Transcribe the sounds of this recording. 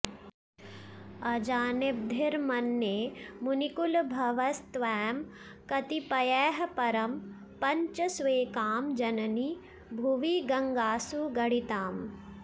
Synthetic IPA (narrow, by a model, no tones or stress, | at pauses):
ɐd͡ʒaːneb̚d̪ʱiɾmɐnːjemunikulbʱɐʋɐst̪ʋɛːm | kɐt̪ipɐjɛːɦɐpɐɾɐm | pɐɲt͡ʃɐsʋeːkaːmd͡ʒɐnɐni | bʱuʋiɡɐŋɡaːsuɡɐɽit̪aːm